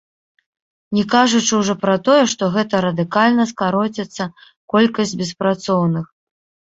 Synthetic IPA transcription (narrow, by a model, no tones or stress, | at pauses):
nʲɛkaʐut͡ʂɨwʐɔpɾɐt̪ɔjɛʂt̪ɔɣɛt̪ɐɾɐd̪ɨkalʲnɐskaɾɔt͡sʲɛt̪sːɐ | kɔlʲkɐzʲd͡zʲbʲɛspɾat̪sɔwnɨx